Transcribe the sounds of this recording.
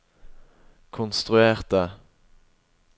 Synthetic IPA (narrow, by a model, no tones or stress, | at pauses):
kʰʊnst̪ʁʉeːʁt̪ə